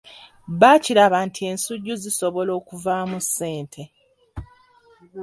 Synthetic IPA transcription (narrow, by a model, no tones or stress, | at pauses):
βaːciɾaβantʰie̞ːnsuɟːuziso̞βo̞lo̞ːkuvamusːe̞ːntʰe̞